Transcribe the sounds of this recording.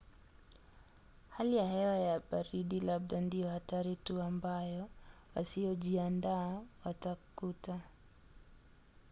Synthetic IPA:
halijahɛwajaɓaɾiɗilaɓ̚ɗandijɔhataɾituambajɔwasiɔʄiandaːwatakuta

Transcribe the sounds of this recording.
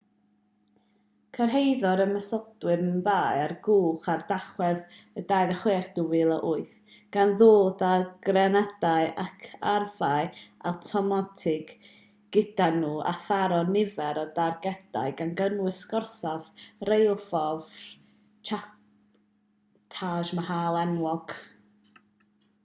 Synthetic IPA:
kʰərɦejðɔɾəməsɔdwɨnnvaːjarɡuːχardaχwɛðədaːjðəχweːrd̥uwɪlˠaʔʊɨθ | ɡ̥anðoːdaɡ̥rɛnadaɨʔakʰarvaɨa̰wtʰɔmatʰɪɡ̥ː | ɪdanuːʔa̰θaɾɔnɪvɛɾɔdarɡɛd̥a̰ɨɡanɡənwɨsɡɔrsavrejlˠfɔv | t͡ʃʰa | tʰaːʒmahaːlˠɛnwɔɡ̥

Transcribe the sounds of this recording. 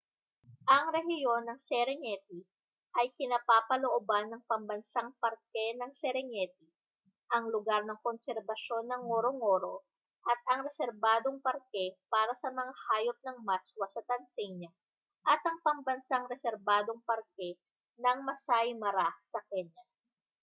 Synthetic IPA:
ʔɐŋɾɛɦɪjo̞nːɐŋsɛɾɛŋɛt̪̚i | ʔɐjkɪnapaːpɐloʔobanːɐŋpɐmbɐnsaŋpɐɾkɛnɐŋsɛɾɛŋɛt̪̚i | ʔɐŋlʊɡaɾnɐŋkonsɛɾbɐʃo̞nːɐŋːoɾoŋoɾo̞ | ʔɐt̪̚ɐŋɾɛsɛɾbaːd̪o̞ŋpɐɾkɛpaːɾɐsɐmɐŋahaːjo̞p̚nɐŋmaswɐsɐt̪ɐnsɛɲɐ | ʔɐt̪ʔɐŋpɐŋbɐnsaŋɾɛsɛɾbaːd̪o̞ŋpɐɾkɛ | nɐŋmɐsajmɐɾasɐkɛɲa

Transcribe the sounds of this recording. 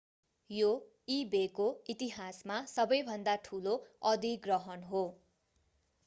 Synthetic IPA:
jo | ibekoit̪iɦasmasʌbʌjbʱʌnd̪aʈʰuloʌd̪ʱiɡrʌɦʌnɦo

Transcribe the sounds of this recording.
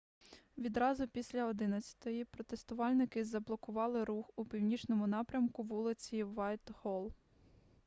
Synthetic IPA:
ʋʲid̪ɾɑzʊpʲisʲlʲɐɔd̪ɪnɐt͡sʲɐ̥t̪ɔjipɾɔt̪est̪ʊʋɑlʲnɪkɪzɐblˠɔkʊʋɑlˠɪɾuxupʲiwnʲit͡ʃnɔmʊnɑpɾʲɐmkʊʋulˠɪt͡sʲiʋɑjt̪hɔlˠ

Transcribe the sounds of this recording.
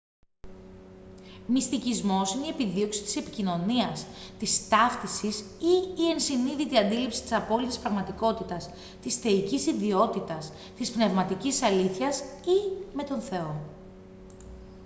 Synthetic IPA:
mist̪icizmo̞sineiepiðio̞ksi̥t̪i̥se̞pi̥cino̞niɐst̪ist̪ɐft̪isisiːe̞nsiniðit̪iɐnd̪ilipsi̥t̪isɐpo̞lit̪ispɾɐɣmɐt̪iko̞t̪it̪ɐs | t̪isθe̞icisiðio̞t̪it̪ɐs | t̪ispne̞vmɐt̪icisɐliθçɐsime̞t̪o̞nθe̞o̞

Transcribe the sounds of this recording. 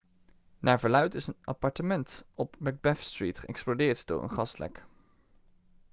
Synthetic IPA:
naːɹvəɹlœɥtɪsənapɑɹtəmɛntɔpbɛɡ̚bɛfstritχəɛksplodɪːɹtd̥ʊ̰ːɹə̰nχɑslɛ̰k

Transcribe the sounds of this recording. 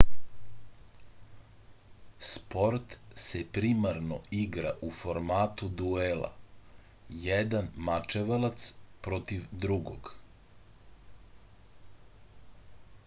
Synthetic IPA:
spo̞ɾt̪sepɾimaɾno̰iɡɾaʔufoɾmaːt̪ud̪uelˠa̰ | jɛd̪anmat͡ʃeʋalat̪spɾot̪iʋd̪ɾuɡo̰ɡ

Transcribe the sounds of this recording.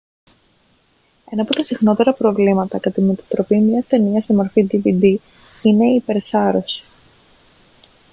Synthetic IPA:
e̞nɐpot̪ɐsixno̞t̪e̞ɾɐpɾo̞vlimɐt̪ɐk̪ɐt̪imet̪ɐ̥t̪ɾo̞pimɲɐst̪e̞niɐst̪imo̞ɾfid̪ivid̪i | ine̞ːpe̞ɾsɐɾo̞si̥

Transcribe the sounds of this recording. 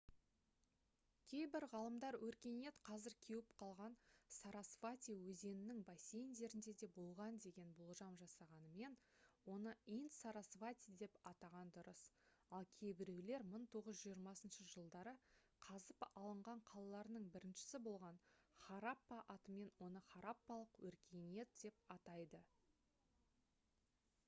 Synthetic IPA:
kʲʰe̞jbɪɾʁɑlˠəmd̪ɑɾwɵɾkʲe̞ne̞t̪qʰɑzɪɾkʲʰe̞wɪpqʰɑlˠʁɑnsɑɾɑsvat̪ʲiwɵze̞nɪnɪŋbɑsʲe̞jnd̪e̞ɾɪnd̪e̞d̪e̞bo̞lˠʁɑnd̪e̞ɡʲe̞nbolˠʒɑmʒɑsɑʁɑnəme̞nwo̞nəint̪sɑɾɑsvat̪ʲid̪e̞pɑt̪ɑʁɑnd̪ʊɾəsɑlˠkʲʰe̞jbɪɾe̞wle̞ɾməɴt̪ʰo̞ʁəzʒijəɾmɑsənʃəʒəlˠd̪ɑɾə | qʰɑzəpɑlˠəɴʁɑɴqʰɑlˠɑlˠɑɾənəɴbɪɾɪnʃɪ̥sɪbo̞lˠʁɑnχɑɾapːɑʔɑt̪əme̞nwo̞nəχɑɾapːɑlˠəqwɵɾkʲʰe̞jne̞t̪d̪̥e̞p̚ɑt̪ɑjd̪ə

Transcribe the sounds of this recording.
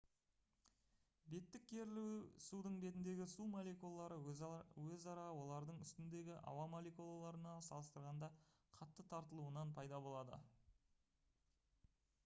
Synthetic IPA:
be̞t̪ːɪk̚ʲkʲʰːe̞ɾlsud̪əɴbe̞t̪ɪnd̪e̞ɡʲɪsumolʲekulˠɑːɑɾəwɵzɑɾɑwo̞lˠɑɾd̪əɴʏst̪ɪnd̪e̞ɡʲɪʔɑ̰wɑmolˠekulˠalˠɑɾənɑsɑlˠəst̪əɾʁɑnd̪ɑqʰɑt̪ːət̪ʰɑɾt̪əlˠuənɑnpʰɑjd̪ɑbo̞lˠɑd̪ə̰

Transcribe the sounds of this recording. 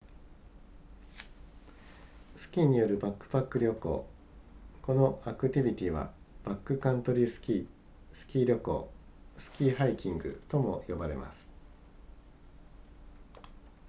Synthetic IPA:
sɨ̥kʲiːɲ̟ijo̞ɾɯ̟bakːɯ̟̥pakːɯ̟ɾʲo̞ko̞̰ː | ko̞no̞akɯ̟t̪ʲibʲit̪ʲiβa̰ | b̥akːɯ̟kãnt̪o̞ɾʲisʲi | sɨ̥kʲiːɾʲo̞ko̞̰ːsɨ̥kʲiːɦaikʲĩŋɡɯ̟̰t̪o̞mo̞̰jo̞baɾe̞̰ma̰sɨ̥

